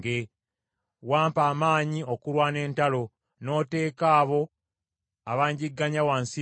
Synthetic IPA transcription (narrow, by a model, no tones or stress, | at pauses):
ɡe | waːmpaːmaːɲio̞kulwane̞ːntalo̞ | no̞ːte̞ːkaːβo̞ | aβaːɲɟiɡːaɲawansi